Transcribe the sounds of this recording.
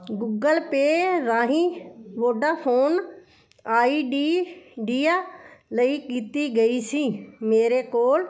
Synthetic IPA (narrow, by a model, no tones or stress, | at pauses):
ɡuːɡəlpeːɾaːɦĩːʋoːɖaːfoːn | aːiːɖiːɖiːaːləiːkiːt̪iːɡəiːsiːmeːɾeːkoːl